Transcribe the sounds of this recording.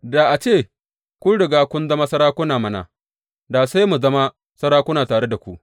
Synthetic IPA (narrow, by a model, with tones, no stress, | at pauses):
da˨ʔa˨t͡ʃeː˦˨ | kʷʊ˦ɽɪ˨ɡaː˦kʷʊ˦nzɐ˦ma˦sɐ˦ɾaː˦kʷʊ˦naː˨mɐ˦na̰˨ | daː˨sa˦jmu˨zɐ˦ma˦ | sɐ˦ɾaː˦kʷʊ˦naː˨taː˨ɽe˦da˨kʷu˦ʔ